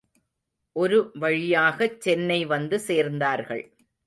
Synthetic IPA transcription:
ʔɔɾɯʋɐɻɪjaːɣɐt͡ʃːɛnːɐɪʋɐnd̪ɯseːɾnd̪aːɾɣɐ̰ɭ

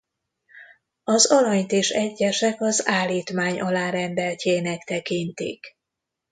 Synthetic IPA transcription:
ɒzɒɾɒɲt̪eːʃɛɟːɛʃɛkɒzaːlːiːt̪maːɲʔɒlaːɾɛnd̪ɛlcʰeːnɛkt̪ɛkint̪ḭk

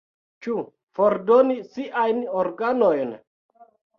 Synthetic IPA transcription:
t͡ʃu | foɾdonisiʔajnoɾɡanojn

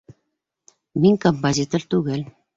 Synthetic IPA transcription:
miŋʲkompozʲit̪ort̪uɣɘ̆lʲ

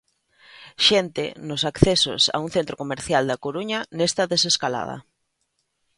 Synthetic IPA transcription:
ʃent̪ɪ̰nʊsakθeso̰sa̰uŋ̟θent̪ɾokomeɾθjald̪ɐkoɾuɲɐnest̪ɐðeseskala̰ðɐ̰

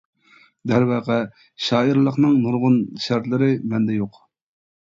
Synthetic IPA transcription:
d̪ɛɾwɑːqɛ | ʃɑːiɾlˠəqnɨŋnuɾʁʊnʃæɾt̪lɪɾɪmɛnd̪ɛjoq

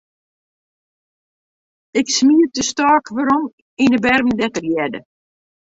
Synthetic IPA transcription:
ɪksmiədəstɔːkʋaɾɔm | inəbɛrvəndɛtərjɛdə̰

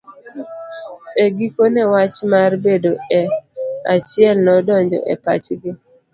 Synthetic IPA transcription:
eɡikonɛwat͡ʃmarbedoɛa̰t͡ʃɪɛlnɔdɔɲd͡ʒɔ̰ʔɛ̰pa̰t͡ʃɡɪ

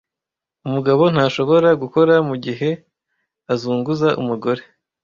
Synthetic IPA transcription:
umuɡaβo̞n̥haːʃo̞βo̞ɾaɡuko̞ɾamuɟiɦe̞ | azuːŋɡuzaʔṵmuɡo̞ɾe̞

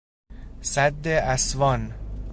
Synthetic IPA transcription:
sæd̪ːeʔæsvɒːn

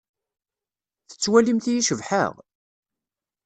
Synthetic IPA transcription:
θə̥t͡sːwælimθijiʃəvħə̰ʁ

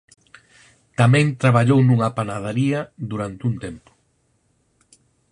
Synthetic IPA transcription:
t̪amɛ̃nt̪ɾaβaʎownuŋapanað̞aɾiɐðuɾant̪uŋt̪ɛmpʊ̥

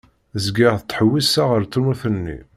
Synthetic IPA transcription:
zɡiʁθt̪ːˤħəwːisaʁəɾt̪ːumuθənːḭ

